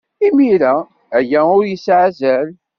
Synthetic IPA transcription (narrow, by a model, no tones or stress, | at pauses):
imiɾæ | æjæ̃ʊɾjəsʕazæl